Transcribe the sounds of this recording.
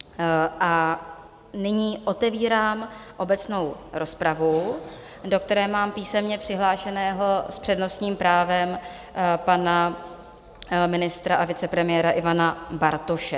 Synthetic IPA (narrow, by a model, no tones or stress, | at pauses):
ʔa | nɪɲiːʔo̞t̪ɛviːɾaːmʔo̞bɛt͡sno̞wɾo̞spɾavu | do̞k̚t̪ɛɾɛːmaːmpiːsɛmɲɛpr̝̥ɪɦlaːʃɛnɛːɦo̞spr̥ɛdno̞st̪ɲiːmpɾaːvɛm | pana | mɪnɪst̪ɾaʔavɪt͡sɛpɾɛmɪjɛːɾaʔɪvanabaɾt̪oʃɛ